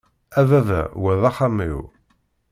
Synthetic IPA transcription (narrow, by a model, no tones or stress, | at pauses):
æðævæ̰wæðɑχamḭw